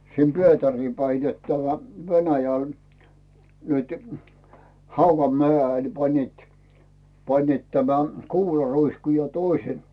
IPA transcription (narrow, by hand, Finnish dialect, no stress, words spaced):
sim pietæriː pæi net tæmæ ʋenæjæl nytẙ hɑuʋɑmeæˑel pɑnʲniˑt pɑnʲniˑt tæmæ kuːlɑruisku jɑ toise